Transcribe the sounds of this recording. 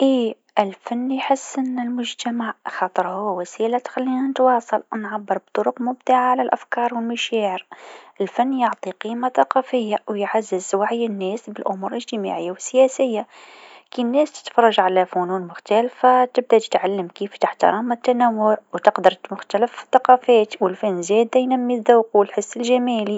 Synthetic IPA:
ʔiː | ʔɪlfanːjħəsːʔɪnːɪlmʊʒt̪amaʕxɑt̪ˤəɾhʊwːwæsiːlat̪xælːinanət̪wɑːsˤɑlwnʕabːəɾb̚t̪ˤʊɾʊqmʊbd̪aʕaʕalælʔæfkɑːɾˤwɪlmaʃaːʕəɾʔɪlfanːjʊʕt̪ˤiqiːmaθɑqɑfəjːawjʕazːəzwaʕjːɪnːæːsbɪlʔʊmuːɾləʒt̪əma̰ʕɪjːawɪsːjɛːsɪjːa | kinːɛːst̪ɪ̥t̪fɑɾˤːɑʒʕalæfunuːnmʊxt̪ælfat̪ɪb̚d̪at̪ɪ̥t̪ʕalːəmkiːft̪ɪħt̪ɑ̰ɾˤɑmɪt̪ːanæwːʊʕwt̪ɪqd̪ɑɾˤmʊxt̪æləfθɑqɑːfɛːt̪wɪlfænːzɛːd̪ajnæmːiðaːqwɪlħəsːɪlʒæmæːli

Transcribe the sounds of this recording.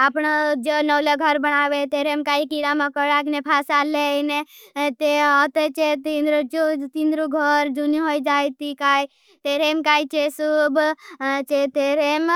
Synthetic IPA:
apnad͡ʒenəwleɡʱəɾbəɽ̃aːʋet̪eːɾemkaːikiɽamãkəɽaknepʰasaːlene | t̪eɔt̪et͡ʃet̪ind̪ɾd͡ʒot̪ind̪ɾuɡʱəɾd͡ʒuniɦojd͡ʒaːjt̪ikai | t̪eɾemkaːit͡ʃesubt͡ʃet̪eɾem

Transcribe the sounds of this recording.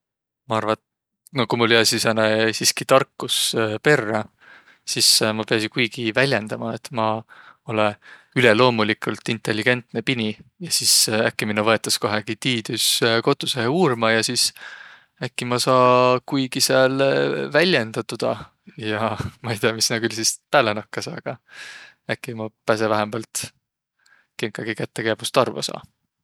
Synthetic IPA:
mɑɑrvɑ | nokumuljɑsisænesiːskit̪ɑrkːuspe̞rːɑ | sismɑpe̞ɑsinkujɡ̥ivælʲjend̪̥ɑmɑet̪ːˑmɑo̞leyle̞lo̞ːmulikˑult̪ːˑint̪ˑːe̞lːiɡ̥e̞nt̪ne̞pinijɑsisækːiminuvɤ̞et̪ːˑɑsko̞ɦeɡit̪iːd̪̥ysko̞t̪ːˑuseheuːrmɑjɑsis | ækːimɑsɑːkujɡiseɑlvælʲjend̪̥ɑt̪ud̪̥ɑ̰ | jɑmɑejt̪eɑmisnɑkylsispæːlenɑkːɑsɑ̰ːɡ̥ɑ | ækːˑimɑpæsevæɦembɑlt̪ | keŋkːˑɑɡ̥ikæt̪ːekæːb̥ust̪ɑrvo̰sɑ̰ː

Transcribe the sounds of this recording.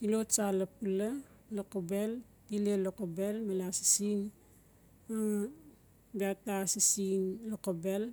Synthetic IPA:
tilot͡ʃalɐpula | lokobel | tilelokobelmalasi̥sin | a | biatasisinlokobel

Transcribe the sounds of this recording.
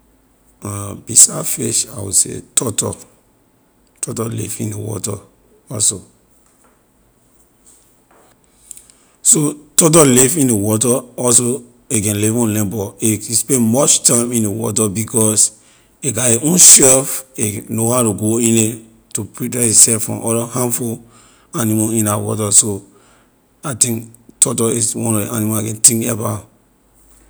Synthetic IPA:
abisafeʃawḭsḛtʰɔtɔ̰ | tʰɔtɔlḭfḭ̃nḛwɔ̰ta̰ | ɔlso | sotɔt̬ɔlifĩnewɔtaɔlso | ekɛ̃nlevɔ̃nlɛ̃bɔespɛ̃mɔt͡ʃtãɪ̃mĩnewɔ̰tabikɔs | eɡaeʔõnʃɛfenohaʊtuɡoĩne | tupɹitɛisɛfɹɔ̰̃mʔɔdahãmful | animaĩnawɔ̰taso | aɪtĩŋktʰɔtɔiswɔ̃nɔḭanimaakɛ̃ntĩŋkɛba

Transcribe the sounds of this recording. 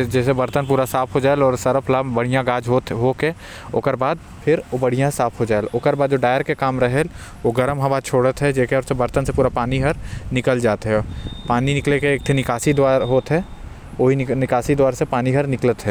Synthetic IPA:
d͡ʒɛːsebɐɾt̪ənp̬uːɾasaːpʰɦod͡ʒaːelɔːɾsɐɾəpʰlaːbbɐɽ̤ijãɡaːd͡ʒɦoɦoke | o̰kəɾbaːd̪̚ | pʰɪɾobɐɽ̤ijãsaːpʰɦod͡ʒaːeloːkəɾbaːd̪d͡ʒoːɖaːjəɾkekaːmɾɐɦɛl | oɡəɾəmɦɐʋaːt͡ʃʰoːɽət̪ɦɛd͡ʒɛːkeɾʊsebɐɾt̪ənsepuːɾapaːniɦəɾnɪkəld͡ʒaːt̪ɦɛpaːninɪklekeːk̚t̪ʰenɪkaːsid̪waːɾɦoːt̪ɦɛ | oːɦinɪkaːsid̪waːɾsepaːniɦɐɾnɪklət̪ɦɛː

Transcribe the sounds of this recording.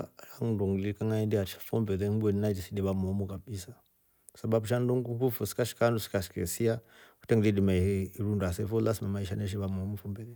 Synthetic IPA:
aŋndɔŋɡlikaŋaɛndiaʃḁfɔmbɛðɛŋbɛninad͡ʒisidiβamɔmukaɓisa | ku̥saɓabuʃanduŋɡukufusi̥kaʃi̥kandusi̥kaʃi̥kɛsiaku̥tɛŋɡdidimaiiiɾundasɛfɔlasimamaiʃanɛʃ̬iβamɔmufumbɛðɛ

